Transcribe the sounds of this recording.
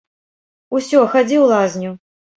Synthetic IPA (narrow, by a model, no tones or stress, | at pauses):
usʲɔxad͡zʲiwlˠazʲnʲu